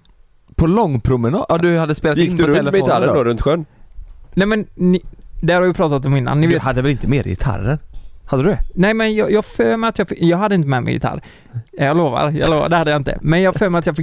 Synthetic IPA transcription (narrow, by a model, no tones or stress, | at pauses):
pʰɔlɔŋːpʰɾʊmɛnɑ̰ːʔɑd̪ɵhad̪ːəspeːlt̪ɪnɔɛləfɛɪt̪ʰaɾəɔɾɵnt̪ɧœnnɛmɛnnɪd̪ɛhaɾhavjɪpʰɾɑːt̪at̪ɔmɪnːa̰nːɪveːth̪ad̪ːəvɛlɪnt̪əmeːɾjɪ̰t̪ʰa̰ɾənhad̪əd̪ʉd̪ɛnɛɪmɛnjɑːjɑːɡføːmɛɾat̪jɑfɪjɑːɡɦad̪ːəɪnt̪̬əmɛːmɛ̰jɪ̰t̪ʰa̰ɾ | jɑːloːva̰ɾjɑ̰ːloːva̰ɖɛhad̪əjɑaɪnt̪ə̰mɛnjɑːɡføːɾmɛɾat̪jɑːfɪk